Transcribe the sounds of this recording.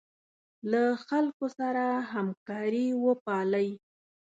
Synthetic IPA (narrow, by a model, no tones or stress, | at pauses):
laxalkosaɾaɦamkɑɾiwəpɑləj